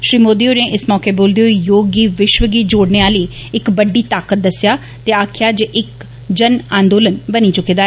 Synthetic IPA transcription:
ʃɾiːmoːd̪iːoːnẽːʔɪsmɔːkeːboːld̪eoijoːɡiːʋɪʃʋəɡiːd͡ʒoːɽneːaːliːɪkbəɖiːt̪aːkət̪̚d̪əsɪjaː | t̪eːaːkʰɪjaːd͡ʒeːʔɪk | d͡ʒənãːnd̪oːlənbəniːt͡ʃʊkiːd̪aːɛː

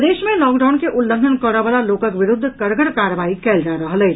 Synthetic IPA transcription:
d̪eːʃmẽlɔːkɖaːʊnkeʔʊlːə̃ŋɡʱənkəɽaʋəlaloːkəkʋɪɾʊd̪ʱːkɐɾɡəɽkaːɾəʋaːikɛːld͡ʒaɾəɦlɛː

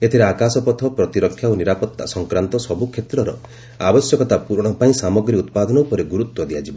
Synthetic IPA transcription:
et̪ʰiɾeakasɔpɔt̪ʰɔpɾɔt̪iɾɔkʰːjaoniɾapɔt̪ːa̰sɔŋkɾant̪ɔsɔbukʰet̪ɾɔɾɔ̰ | abɔsjɔkɔt̪apuɾɔɽ̃ɔpaĩsamɔɡɾiut̪pad̪ɔnɔupɔɾeɡuɾut̪wɔd̪iad͡ʒibɔ

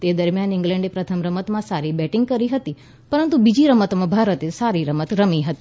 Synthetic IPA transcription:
t̪ed̪əɾmjanɪŋɡlɛ̃ɳɖepɾət̪ʰəmɾəmət̪mãsaɾibɛʈɪ̃ŋɡ̚kəɾiɦət̪i | pəɾənt̪ubid͡ʒiɾəmət̪mãbʱaɾət̪esaɾiɾəmət̪ɾəmiɦət̪i

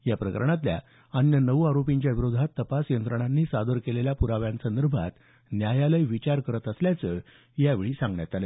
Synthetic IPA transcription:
japɾəkə̰ɾɳ̃at̪̬lja̰ | ənjənəʋaɾopiɲt͡ɕjaʋiɾod̪ʱat̪ːəpasjənt̪ɾəɽ̃anːiːsad̪əɾkeleljapuɾaʋjãnsənd̪əɾbʱa̰t̪ | njajaləjʋit͡ɕaɾkəɾət̪əsljat͡sə | jaʋeɭiːsãŋɡɳjat̪alə

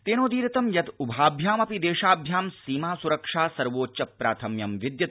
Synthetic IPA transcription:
t̪eːnoːd̪iːɾɐt̪ɐmjɐt̪ubʱaːbʱjaːmɐpid̪eːʃaːbʱjaːmsiːmaːsuɾɐkʂaːsɐɾʋoːt͡ʃɐpɾa̰ːt̪ʰɐmjɐmʋid̪jɐt̪

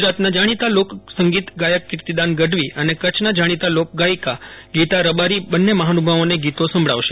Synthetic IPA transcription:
ɡd͡ʒɾat̪nad͡ʒaɽ̃it̪aloksəŋɡit̪ɡajəkːɪɾt̪id̪anɡəɖʱʋiʔənekət͡ʃʰnad͡ʒaɽ̃it̪alok̚ɡajkaɡit̪aɾəbaɾibənːeməɦanubʱaʋoneɡit̪osə̃mbʱɭa̰ʋʃe

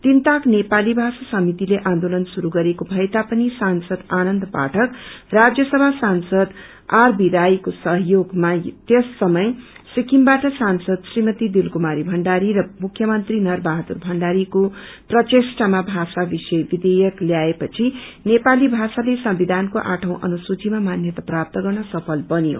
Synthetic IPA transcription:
t̪int̪aknepalibʱasasʌmit̪ileʔãnd̪olʌnsuɾuɡʌɾekobʱʌjt̪apʌnisansʌd̪anʌnd̪pa̰ʈʰʌkrad͡zjʌsʌbʱasansʌd̪ | arbiɾajkosʌɦjoɡmat̪esːʌmʌj | sikimbaʈʌsansʌd̪srimʌt̪id̪ilkumaɾibʱʌɳɖaɾiɾʌmukʰjʌmʌnt̪rinʌrbaɦat̪urbʱʌɳɖaɾiko | prʌtesʈamabʱasabisʌjbid̪ejʌkljaepʌt͡sʰinepalibʱasalesʌmbid̪ʱankoʔã̰ʈʰʌ̃w̃ʔʌ̰nusut͡simamanjʌt̪aprap̚t̪ʌɡʌrnʌsʌpʰʌlbʌnijo̰

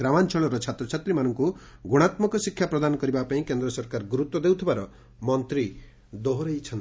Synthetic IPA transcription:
ɾamant͡ʃʰɔɭɔɾʌt͡ʃʰat̪ɾɔt͡ʃʰat̪ɾimanʌŋkuɡuɽ̃at̪mɔkɔsikʰːjapɾɔd̪anɔkɔɾibapaĩkend̪ɾɔsʌɾkaɾɡuɾut̪wɔd̪ewt̪ʰibaɾɔ | mɔnt̪ɾi | d̪oɦɾejt͡ʃʰʌnt̪

